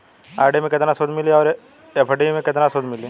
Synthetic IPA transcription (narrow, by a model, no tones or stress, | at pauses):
a̰ːɾɖemẽkɪt̪nasoːd̪mɪliɔːɾ | epʰəɖimẽkɪt̪nasoːd̪mɪli